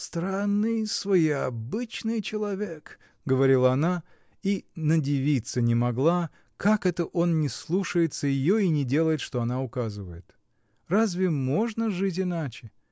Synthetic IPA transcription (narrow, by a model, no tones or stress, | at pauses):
st̪ɾanːɨjsvɐjɪɐbɨt͡ɕnɨjt͡ɕɪlˠɐvʲek | ɡəvɐɾʲilˠəɐna | inədʲɪvʲit̪sənʲɪmɐɡlˠa | kakɛt̪əʔo̞nnʲɪslˠuʂəjɪt̪səjɪjoinʲɪdʲe̞lˠəjɪt̪ʂt̪oɐnaʊkazɨvə̰jɪt̪ | razvʲɪmo̞ʐnəʐɨt̬ʲɪnat͡ɕɪ